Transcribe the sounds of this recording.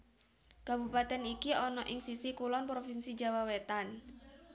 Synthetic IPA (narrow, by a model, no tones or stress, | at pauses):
kabupat̪ɛnikiɔnɔʔɪŋsisikulɔnpɾofinsid͡ʒawawet̪an